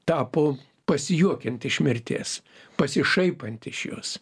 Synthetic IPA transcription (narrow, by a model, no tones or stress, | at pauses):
t̪ɑːpoː | pɐsʲɪjuɔkʲɛnt̪ɪʃmʲɪɾʲt̪ʲḛːs | pɐsʲɪʃɐɪpɐnʲt̪ɪʃjo̰ːs